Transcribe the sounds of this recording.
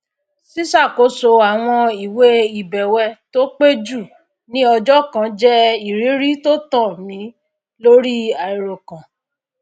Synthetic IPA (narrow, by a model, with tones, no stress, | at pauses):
si˦sa˦˨ko˨˦so˧a˨w̃ɔ̃˧i˨we˦i˨bɛ˨wɛ˧to˦k͡pe˦d͡ʒu˦˨ | nĩ˦ɔ˧d͡ʒɔ˦kã˧d͡ʒɛ˦i˨ɾi˨˦ɾi˦to˦tɔ̃˦˨mĩ˧˦ | lo˦ɾi˦a˨i˨ɾo˨kã˨